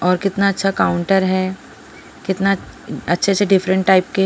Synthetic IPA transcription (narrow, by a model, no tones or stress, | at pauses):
ɔːɾkɪt̪naɐtːʃʰakaʊ̃ɳʈəɾɦɛ | kɪt̪naɐtːʃʰesʰeɖɪfɾə̃ɳʈːaːɪp̚ke